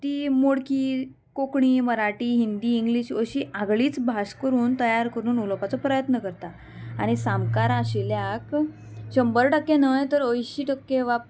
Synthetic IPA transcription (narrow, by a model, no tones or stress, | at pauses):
t̪iːmoɽki | kokɳiməɾaʈiːɦind̪iːŋɡliɕəɕiːʔaɡɭiːt͡sbʱaskəɾuːnt̪əjaɾkəɾuːnuləpat͡sɔpɾəjət̪nəkəɾt̪a | aɽ̃isamkaɾaɕiljak | ɕəmbəɾʈəkːenəjt̪əɾəjɕiːʈəkːeʋap̚